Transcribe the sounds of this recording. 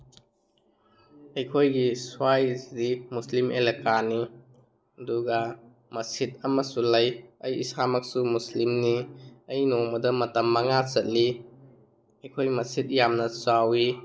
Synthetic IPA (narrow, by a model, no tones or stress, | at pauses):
ɐjkʰojɡiswajdimuslimʔelekani | ɐduɡa | mɐsit̚ɐmɐsulɐjɐjḭsamɐk̚sumuslimniɐjnomɐdɐmɐtɐmːɐŋat͡ʃɐt̚li | ɐjkʰojmɐsit̚jamnɐsawi